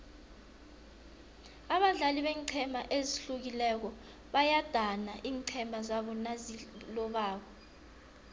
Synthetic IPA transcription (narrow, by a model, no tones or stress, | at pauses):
aɓaɮaliɓɛŋǀʰɛmaʔeziɬuk̬ilɛk̬ɔ | ɓajad̥ʱanaʔiːŋǀʰɛmazaɓɔnazilɔɓaːɓɔ